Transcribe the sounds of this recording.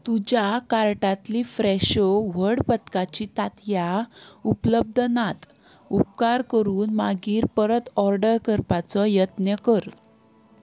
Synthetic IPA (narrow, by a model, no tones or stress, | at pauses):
t̪ud͡ʑjakaɾʈat̪lifɾɛɕɔʋəɽpət̪kat͡ɕiːt̪at̪jaupləb̚d̪ʱnat̪ | up̚kaɾkəɾuːnmaɡiːɾpəɾət̪ɔɾɖəɾkəɾpat͡sɔjət̪njəkəɾ